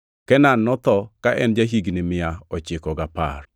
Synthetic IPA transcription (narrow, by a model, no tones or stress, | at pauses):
kɛnanːɔt̪ɔkaʔɛnd͡ʒaɦiɡnɪmɪaɔt͡ʃɪkɔɡapa̰r